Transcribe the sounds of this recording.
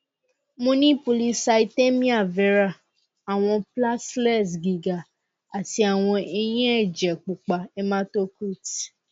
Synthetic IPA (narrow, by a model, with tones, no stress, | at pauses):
mõ˧nĩ˦po˧˨li˦sa˧i˧te˦mĩ˦a˦˨vɛ˨˦ɾa˦˨ | a˨w̃ɔ̃˧pla˦slɛ˦˨s̬ɡi˨ɡa˨ | a˨ti˧˦a˨w̃ɔ̃˧e˧j̃ĩ˦ɛ˦˨d͡ʒɛ˨k͡pu˨k͡pa˨ɛ˦mã˦to˦ku˦˨t